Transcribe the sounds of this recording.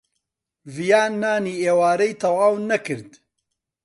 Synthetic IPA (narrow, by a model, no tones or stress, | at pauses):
vijaːnːaːniːeːwaːɾɐjt̪ʰɐwaːwnɐkɨɾd̪